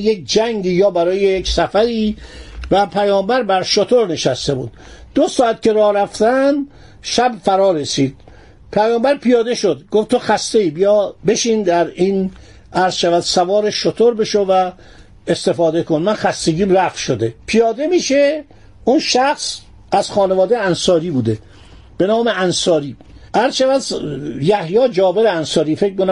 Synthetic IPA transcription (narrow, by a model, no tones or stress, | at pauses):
jek̚d͡ʒæŋɡiːjɒːbæɾɒːjejecsæfæɾiːvæpʰæjɒːmbæɾbæɾʃot̪ʰoɾne̞ʃæst̪e̞buːd̪̥d̪̥osɒːæt̪̚kcʰe̞ɾɒːɾæft̪ænd̪ | ʃæbfæɾɒːɾesiːd̪̥̚ | pʰæjɒːmbæɾpijɒːd̪eʃod̪ɡoftt̪ʰoxæst̪e̞iːbijɒːbe̞ʃiːnd̪æɾin | æɾz̥ʃævæd̪̥sævɒːɾeʃot̪ʰoɾbe̞ʃovæ | est̪e̞fɒːd̪e̞konmænxæst̪e̞ɟʲiːmɾæfʃod̪e̞pʰijɒːd̪e̞miːʃe | ʔunʃæxs | æz̥xɒːnevɒːd̪ejænsɒːɾiːbuːd̪e | b̥e̞nɒːmeænsɒːɾiː | ʔæɾzʃævæd̪jæhjɒːd͡ʒɒːbe̞ɾeænsɒːɾiːfek̚mkonæ